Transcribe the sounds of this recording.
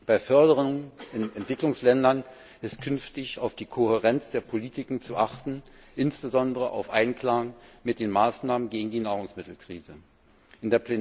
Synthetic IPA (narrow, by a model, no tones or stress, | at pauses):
b̥aɪfœɐdəʁənɛntv̥ɪklʊŋslɛndɐn | ʔɪstkʰʏnftɪçaʊfd̥iːkʰohɛʁɛnt͡sd̥eːɐpʰoliːtʰɪkŋ̩t͡suʔaχtn̩ʔɪnsb̥əzɔndəʁəʔa̰ʊfʔa̰ɪnkl̥aŋmɪt̚d̥eːnmaːsnaːmənɡeːɡŋ̩diːnaːʁ̞ʊŋsmɪtl̩kʁ̥ḭːzə | ʔɪndeːɐpʰle